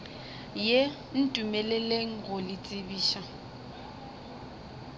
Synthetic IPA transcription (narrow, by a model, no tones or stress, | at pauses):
je | n̩tʼumɛleleŋ̩ɣʊlɪt͡sʼɪbiːʃa